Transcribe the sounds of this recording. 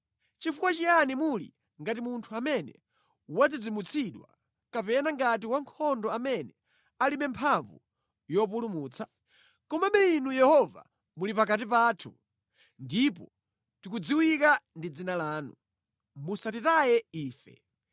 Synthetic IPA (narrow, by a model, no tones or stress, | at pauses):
t͡ʃifukwat͡ʃijanimulḭ | ŋɡat̬imuntʰuamɛnɛ̰ | wad͡zid͡zimut͡sʰiɗwa̰ | kapɛnaŋɡat̬iwaŋkʰɔndɔamɛnɛ | aliɓɛmpʰaɱvṵ | jɔpulumuːt͡sʰa | kɔmaɓɛinujɛhɔva̰ | mulipakatipaːtʰu | ndip̬ɔ | tik̬ud͡ziwikandid͡zinalaːnu | musatitajɛiːfɛ̰